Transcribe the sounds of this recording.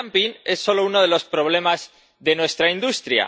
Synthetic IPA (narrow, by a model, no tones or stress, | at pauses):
mpine̞sːo̞lo̞uno̞ð̞e̞lo̞spɾo̞β̞le̞maz | ðe̞nwe̞st̪ɾaind̪ust̪ɾja̰